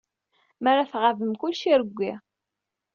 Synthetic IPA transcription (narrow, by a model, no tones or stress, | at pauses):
maɾˤaθʁavəmkʊlʃiɾəɡʷːi